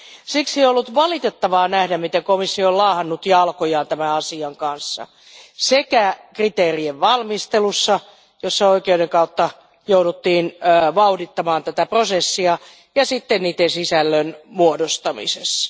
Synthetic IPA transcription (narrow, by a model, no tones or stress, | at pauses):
siksieolːut̪ʋɑlit̪et̪ːɑʋɑːnæhdæmmit̪eŋkomisːioolɑːhɑnːut̪jɑlkojɑːnt̪æmæɑsiɑŋkɑnsːɑ̰ | sekækrit̪eːrieʋʋɑlmist̪elusːɑ | josːɑoikeudeŋkɑut̪ːɑ | joudut̪ːiːnːʋɑudit̪ːɑmɑːnt̪æt̪æprosesːiɑ | jɑsit̪ːenniːt̪ːˑensisælːønmuodost̪ɑmḭses